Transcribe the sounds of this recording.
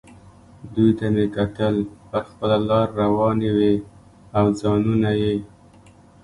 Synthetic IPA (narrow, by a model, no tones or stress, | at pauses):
d̪ujt̪amekat̪əlpəɾxpəlalɑɾːawɑnewe | awzɑnunaje